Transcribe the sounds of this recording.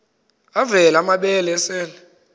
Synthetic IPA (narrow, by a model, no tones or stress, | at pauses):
avɛlamaɓɛlɛsɛːlɛ